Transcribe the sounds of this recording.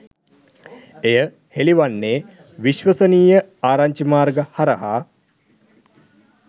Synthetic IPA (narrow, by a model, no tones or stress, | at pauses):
ejə | heliʋanːeː | ʋiʃʋəsəniːjəaːɾaɲt͡ʃimaːrɡəhaɾəɦaː